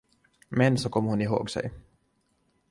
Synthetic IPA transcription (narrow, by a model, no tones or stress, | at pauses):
mɛnsɔkʰɔmːəɾhʊnɪɦo̰ːɡsɛ̰j